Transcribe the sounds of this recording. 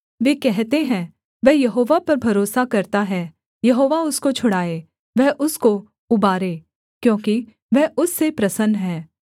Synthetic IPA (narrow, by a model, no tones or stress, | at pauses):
ʋeːkɛɦt̪eɦɛ̃ː | ʋɛɦjɐɦoːʋapɐɾbʱɐɾoːsakɐɾt̪aɦɛː | jɐɦoːʋaʊskot͡ʃʰʊɽaːeː | ʋɛɦʔʊsko | ʊbaːɾeː | kjõːki | ʋɛɦʊsːepɾɐsənɦɛ̃ː